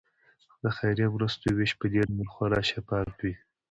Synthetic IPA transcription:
d̪əxajɾemɾəst̪oweʃpəd̪eɖmulxwaɾɑʃepɑɾt̪wi

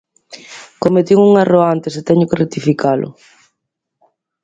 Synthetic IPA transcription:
komet̪iŋuŋaroant̪eset̪ɛɲʊkeret̪ifikʰalʔʊ̰

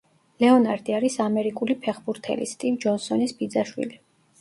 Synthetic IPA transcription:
lɛɔnaɾd̪iaɾisamɛɾikʼulipʰɛχbuɾt̪ʰɛ̰lḭst̪ʼivd͡ʒɔnsɔnisbid̪zaʃwḭli

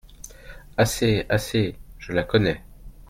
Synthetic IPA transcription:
aseaseʒ̥əlakɔnɛ

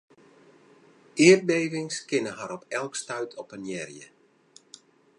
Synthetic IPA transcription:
ɪər̚bejvɪŋskɪnəɦaɾɔpɛlˠkstœɥtʰɔpənjɛrjə̰

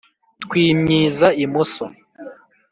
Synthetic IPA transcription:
t̪kwiːmɲiːzaimuso̰

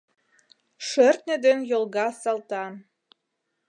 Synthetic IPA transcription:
ʃɘrt̪nʲĕd̪enjolˠɣɑsɑlˠt̪ɑn

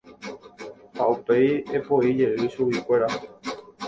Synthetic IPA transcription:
haupe̞jepo̞id͡ʒe̞ʔɨʃuwikʷe̞ɾa

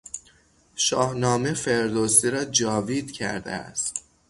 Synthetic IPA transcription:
ʃɒːhnɒːme̞fe̞ɾd̪osiɾɒːd͡ʒɒːviːd̪cʰæ̰ɾd̪ḛæ̰st̪

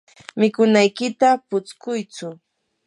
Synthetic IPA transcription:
mɪkʊnajkɪt̪apʊt͡skʊjt͡sʊ

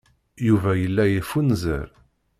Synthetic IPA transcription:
juvæjəlːæjəfunzə̰ɾ

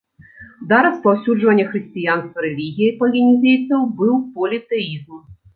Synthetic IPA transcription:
d̪aɾɐspawsʲuʐvɐnʲːɐxɾɨsʲt͡sʲijanst̪vɐɾɛlʲiɣʲijipɐlʲinʲizʲejt̪sɐwbɨwpɔlʲit̪ɛizm

